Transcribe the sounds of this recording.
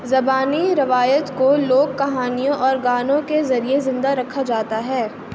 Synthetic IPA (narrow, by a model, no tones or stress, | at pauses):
zɐbaːniɾɐʋaːjət̪koloːɡ̚kɐɦaːnijõʔɔːɾɡaːnõkezɐɾiezɪ̃nd̪aɾɐkʰːad͡ʒaːt̪aɦɛː